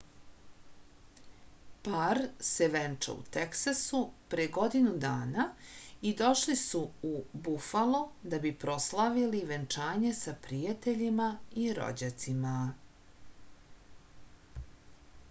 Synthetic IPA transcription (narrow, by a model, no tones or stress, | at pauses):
paɾseʋent͡ʂa̰ṵt̪eksasupɾejeɡo̞d̪inud̪aːnaid̪o̞ʃlisuubufalod̪abipɾo̞slˠaʋiliʋent͡ʂaːɲe̞sapɾijat̪eʎimaiɾo̰d͡ʑat̪sima